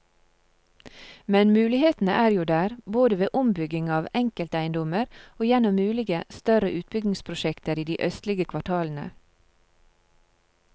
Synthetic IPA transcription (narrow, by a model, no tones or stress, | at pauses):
mɛnmʉːlɪheːt̪n̩ə̰ʔæːɾjuːd̪æːɾboːd̪əʋeːʔʊmbʏɡɪŋɑːʋɛŋkəlt̪æɪnd̪ɔməɾoːjɛnɔmʉːlɪɡəst̪œɾəʔʉːt̪̚bʏɡnɪŋspʰɾʊʃɛkt̪əɾiːd̪iːʔœst̪lɪɡəkʰʋɑʈʰɑːln̩ə̰